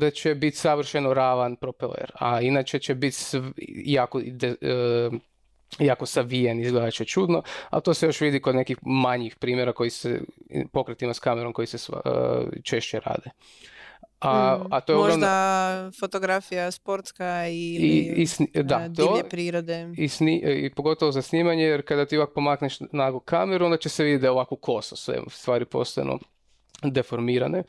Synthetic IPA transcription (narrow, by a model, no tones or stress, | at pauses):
d̪at͡ʃebit̪saʋr̩ʃenoɾaːʋanpɾopelḛɾa̰inat͡ʃet͡ɕebit̪sjaːkod̪e | jaːkosaʋijenizɡled̪at͡ʃet͡ʃud̪no̞a̰t̪osejo̞ʃʋid̪ikod̪nekixmaɲixpɾiːmjeɾakojisḛpo̞kɾet̪imaskameɾo̞mko̞jises | t͡ʃeʃt͡ɕeɾa̰ːd̪e | aat̪ojeooɾmnaafot̪oɡɾafijaspoɾt̪skaiiisd̪adt̪oepɾiːɾod̪eisniʔḭpo̞ɡo̞t̪oʋozasniːmaɲejeɾkad̪at̪ipak̚po̞makneʃnaɡokʰameɾuond̪at͡ʃeseʋid̪ʲet̪d̪aoʋakoko̞sosʋḛst̪ʋaːɾipo̞̰st̪oaj̰nṵ | d̪efoɾmiːɾane